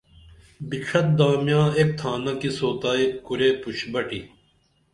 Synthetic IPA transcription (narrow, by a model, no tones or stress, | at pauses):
biʈ͡ʂʰɐt̪̚d̪aːmjãːeːk̚t̪ʰaːnɐkisoːt̪aːikuɾeːpuɕbɐʈi